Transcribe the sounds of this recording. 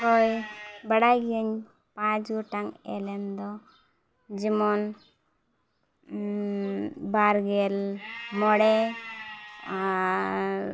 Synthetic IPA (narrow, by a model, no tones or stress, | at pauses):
kɔjbəɽaɡiəɲ | pãd͡ʒɡuʈaŋḛlend̪ɔ | d͡ʒimɔn | baɾɡelmɔɽe